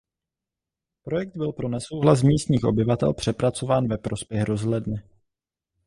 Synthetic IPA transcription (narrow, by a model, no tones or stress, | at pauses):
pɾo̞jɛk̚d̪̚bɪlpɾo̞nɛso̞wɦlas̬miːst̪ɲiːxʔo̞̰bɪvat̪ɛ̰lpr̝̥ɛpɾat͡so̞vaːnvɛpɾo̞spjɛxɾo̞zɦlɛdnɪ